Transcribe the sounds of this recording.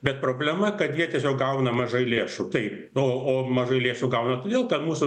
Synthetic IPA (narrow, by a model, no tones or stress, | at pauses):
bʲɛt̪pɾoːbʲlʲɛmɐkɐt̪jiɛt̪ʲiɛsʲoːk̚ɡɐʊnɐmɐʒɐɪlʲeːʃut̪ɐɪp | oːoːmɐʒɐɪlʲeːʃuɡɐʊnɐt̪oːd̪ʲeːlˠkɐt̪muːsʊ